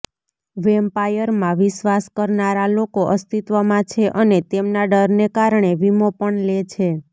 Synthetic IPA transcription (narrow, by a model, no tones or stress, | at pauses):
ʋempajəɾmãʋiʃʋaskəɾnaɾalokoʔəst̪it̪ʋəmãt͡ʃʰeʔənet̪emnaɖəɾnekaɾɳeʋimopəɳlet͡ʃʰe